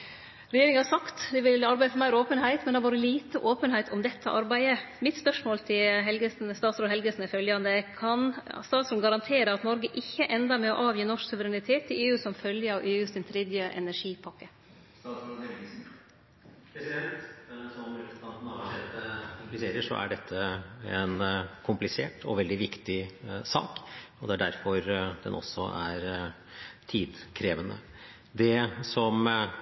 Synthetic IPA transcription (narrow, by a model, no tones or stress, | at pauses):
ɾɛjeːɾɪŋənhɑɾsɑkt̪d̪ɛʋɪlɑɾbæɪəfɔɾmæɪɾoːpənɦæɪt̪mɛnd̪ɛæʋoːɾəliːt̪əʔoːpənhæɪt̪ʰɔmd̪ɛt̪ʰːəʔɑɾbæɪəmɪt̪spœʂmoːlt̪ʰɪlɦɛlɡəsnst̪ɑːt̪sɾoːɦɛlɡəsnɪfœljɑnd̪əkʰɑnst̪ɑːt̪sɾʉnɡɑɾɑnt̪ʰeːɾəɑt̪nɔɾɡəʔɪçːəʔɛnd̪ɑmɛɔ̰ʔɑːʋjiːnɔʂksʉʋəɾɛnɪt̪ʰeːt̪ʰːɪleːʉːsɔmfœljəɑʋʔeːʉst̪ɪnt̪ʰɾɛd̪jəʔɛ̰næʂiːpʰɑkːə | ɑsd̪eɾ | pɛsɪɛlt̪sɔmʉɑnt̪n̩ɛt̪əʊkɪseːɾəʂɔ̰ʔæ̰ɖɛt̪ʰːəɛnkʰʊmplɪseːʈɔ̰ʋɛld̪ɪʋɪkt̪ɪsɑ̰ːkɔd̪ɛæɖæɾfɔɾd̪ɛ̰nʔɔ̰sːɔ̰æɾ | t̪ʰiːd̪kʰɾeːʋənə̰ | d̪ɛsɔm